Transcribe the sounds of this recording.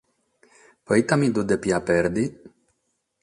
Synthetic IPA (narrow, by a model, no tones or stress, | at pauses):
pɔit̪amid̪ud̪ɛpjapɛɾd̪i